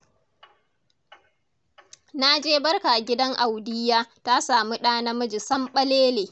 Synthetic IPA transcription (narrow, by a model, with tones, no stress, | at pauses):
na˦d͡ʒeː˦bɐ˦rka˨ɡʲɪ˦dɐ˦ŋʔa˨wdɪ˦jaː˦ta˦saː˨mi˦ɗaː˦na˦mɐ˦d͡ʒɪ˨sɐ˦mɓɐ˦leː˦leː˨